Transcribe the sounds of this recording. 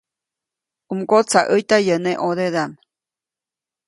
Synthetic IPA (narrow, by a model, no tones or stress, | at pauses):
umkot͡saʔəjt̪ajəneʔod̪ed̪am